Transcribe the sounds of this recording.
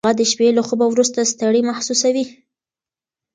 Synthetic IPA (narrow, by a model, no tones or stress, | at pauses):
ad̪əʃpelaxəbawɾust̪ast̪aɽimahsusawi